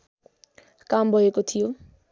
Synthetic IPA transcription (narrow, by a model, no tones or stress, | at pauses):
kambʱʌjekot̪ʰijo